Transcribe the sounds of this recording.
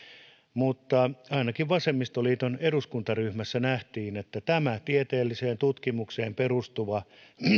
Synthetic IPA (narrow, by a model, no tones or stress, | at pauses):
mut̪ːɑɑinɑkiʋʋɑsemːist̪oliːt̪oneruskunt̪ɑryhmæsːænæht̪iːnet̪ːæt̪æmæt̪iet̪eːlːiseːnt̪ut̪kimukseːmperust̪uʋɑ